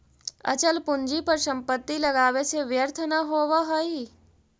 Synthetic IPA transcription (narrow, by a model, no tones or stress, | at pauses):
ɐ̰t͡ʃəlpʊɲd͡ʒipɐɾsɐ̃mpət̪ːilɐɡaːʋeseʋjəɾt̪ʰənaɦoːʋaɦoi